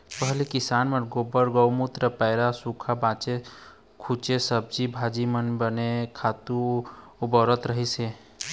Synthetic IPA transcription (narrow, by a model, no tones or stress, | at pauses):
pəɦlikisaːnmeɡobəɾɡəwmut̪ɾəpəɪɾasukʰabãːt͡ʃe | kʰut͡ʃesəb̚d͡ʒibʱaːd͡ʒimənbənekʰaːt̪u | ubɔɾət̪ɾəɦise